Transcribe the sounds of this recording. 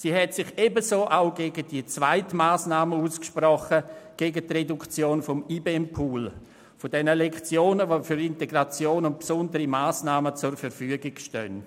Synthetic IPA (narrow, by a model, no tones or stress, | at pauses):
siːɦɛtsɪχebəzoːʔaʊɡeːɡədiət͡sv̥aɪtmaːsnaːməuːskʃprɔχəɡ̥eːɡətredukt͡sjoːnfɔmiːbeɛmpʰuːl | fodɛnəlɛkt͡sjoːnəʋoːfyɾɪnteɡɾat͡sjoːnʊnt̚psʊndəɾimaːsnaːmət͡sʊrfɛɾfyəɡɪɡʃtœn